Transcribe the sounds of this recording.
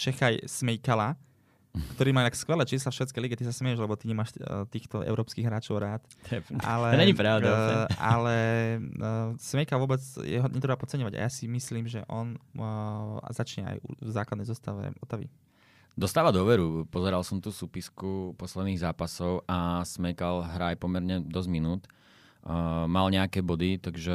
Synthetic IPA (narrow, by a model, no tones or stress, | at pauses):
t͡ʃɛxajsmɛjkala | kt̪ɔɾiːmaːt̪akskʋɛlɛːt͡ʃiːslafʃʋɛːt͡skɛjliɡɛt̪isasmɛjɛʒlɛbɔt̪iɲɛmaːʃt̪iːxt̪ɔʔɛ̰ʊɾɔːpskiːɣɦɾaːt͡ʃɔʊɾaːt̪t̪jɛfa̰lɛɲɛɲipɾaʊd̪aʔalɛ | smɛjkalʋʊɔbɛt͡sjɛ̰ɦɔɲɛt̪ɾɛbapɔtt͡sɛɲɔʋaɟa̰jasimisliːmʒɛʔɔn | a̰zat͡ʃɲɛa̰jṵvzaːklad̪ɛjzɔst̪aʋɛ̰ʔɔt̪aʋḭ | d̪ɔst̪aːʋad̪ʊɔʋɛɾupɔzɛɾalsɔmt̪uːsuːpiskupɔslɛd̪niːɣzaːpasɔʊasmɛjkalɦɾaːjpɔmɛɾɲɛd̪ɔzminuːt̪ | malɲɛakɛːbɔd̪it̪aɡʒɛ